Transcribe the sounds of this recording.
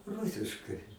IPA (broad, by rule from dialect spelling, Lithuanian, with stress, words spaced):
ˈrʊsʲɪʃkɐɪ